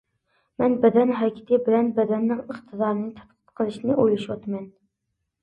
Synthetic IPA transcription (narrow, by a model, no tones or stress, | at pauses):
mɛnbɛd̪ɛnɦɑkʲʰɪ̥t̪ʰɪbɪlɛnbɛd̪ɛnːɪŋəχt̪ʰɨd̪ɑːɾɨnɨt̪ʰɑ̥t̪qʰət̪qʰəlˠɨʃinɨʔojlˠɑʃwɑt̪ʰmɛn